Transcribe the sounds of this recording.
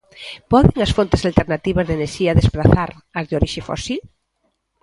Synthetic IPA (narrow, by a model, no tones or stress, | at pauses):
pɔðeŋɐsfont̪ɪsalt̪eɾnat̪iβɐzðeneɾʃiɐðespɾaθaɾ | ɐzðoɾiʃɪfɔ̰sil